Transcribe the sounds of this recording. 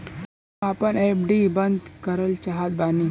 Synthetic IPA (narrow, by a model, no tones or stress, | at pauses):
apənepɖibənd̪kəɾəlt͡ʃaɦat̪̚bani